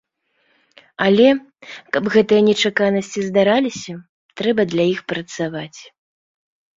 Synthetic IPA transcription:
alʲɛ | kɐbɣɛt̪ɨjɐnʲɛt͡ʂakanɐsʲt͡sʲizd̪aɾalʲisʲɐ | t̪ɾɛbɐd̪lʲajixpɾɐt̪savat͡sʲ

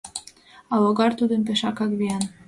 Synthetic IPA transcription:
ɑwoɣɑrt̪ud̪əmp̬eʃɑkɑkβiɑn

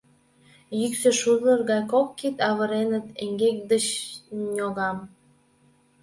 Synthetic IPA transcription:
jyksø̆ʃud̪lərɣɑjkokːit̪ɑβə̆ɾenət̪eŋɡek̚d̪ət͡ɕnʲoɣɑm

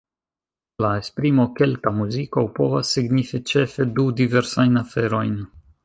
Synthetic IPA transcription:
laespɾimo̞ke̞ltamuzikopo̞vasːiɡnifit͡ʃe̞fe̞dudive̞ɾsajnafe̞ɾo̞jn

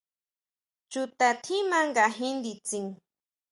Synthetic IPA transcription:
t͡ʃʊt̪at̪ʰimaŋɢaɦɪnd̪it͡siŋ

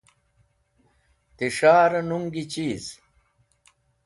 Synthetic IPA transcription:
t̪iʂaːɾɐnuŋɡit͡ɕiːz

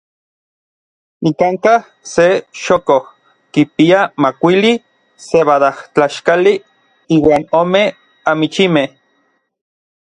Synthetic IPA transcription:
nikaŋkah | seʃokoh | kipiamakʷili | seβaðaht͡ɬaʃkali | iːwaːnoːme | amit͡ʃimeh

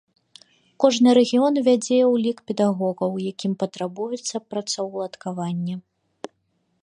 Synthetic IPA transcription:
kɔʐnɨɾɛɣʲiɔnvʲad͡zʲɛjɛwlʲikpʲɛd̪aɣɔɣɐwjakʲimpɐt̪ɾabujɛt̪sːɐpɾɐt̪sɐwlˠɐt̪kavanʲːɛ

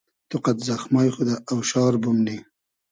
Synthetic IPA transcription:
t̪ʊqat̪zaxmɑːjxud̪aːwʃɑːɾbʊmni

